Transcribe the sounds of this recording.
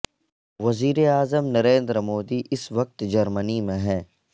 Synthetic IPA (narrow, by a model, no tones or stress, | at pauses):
ʋɐziːɾeaːzəmnɐɾẽːnd̪ɾmoːd̪iʔɪsʋɐk̚t̪d͡ʒɐɾmənimẽɦɛ̃ː